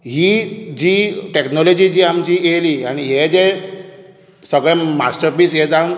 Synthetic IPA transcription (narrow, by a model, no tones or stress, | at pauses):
ɦiːd͡ʑiːʈeknɔlɔd͡ʑiːd͡ʑiːamt͡ɕiːeliːaɽ̃iɦed͡ze | səɡɭɛ̃masʈəɾpiːsɦed͡za